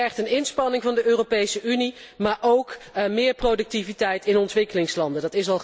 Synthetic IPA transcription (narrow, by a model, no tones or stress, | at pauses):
ɛχtənɪnspɑnɪŋvɑndəʔøːropejsəʔynimaːɹʔowkmɪːɹprodɵk̚tivitɛjtɪnɔntʋɪkəlɪŋslɑndəndɑtɪsɑlˠ